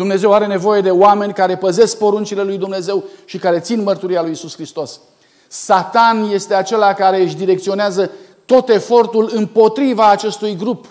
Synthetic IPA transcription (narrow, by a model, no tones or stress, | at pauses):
d̪umne̞ze̞waɾe̞ne̞vo̞je̞d̪e̞oame̞nʲkaɾe̞pəze̞sk̚po̞ɾunt͡ʃile̞lujd̪umne̞ze̞wʃikaɾe̞t̪sinmərt̪uɾialujisuskɾist̪o̞s | sat̪anje̞st̪e̞at͡ʃe̞lakaɾe̞ɨʃd̪iɾe̞kt̪sio̞neazə | t̪o̞t̪e̞fo̞rt̪ulɨmpo̞t̪ɾivaːt͡ʃe̞st̪ujɡɾup